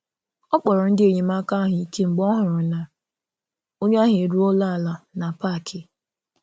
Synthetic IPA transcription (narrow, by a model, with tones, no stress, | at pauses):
ɔ˦k͡pɔ˨ɾɔ˨n̩˦dɪ˦e˨ɲe˨ma˦ka˦ɦʊ˨i˨ke˦ŋ͡m̩˨ɡ͡bɔ˦ɦʊ˨ɾʊ˨na˨ | o˦ɲ˦a˦ɦe˨ɾu˦ɔ˦la˦˨la˨na˨pa˦˨kʰɪ˨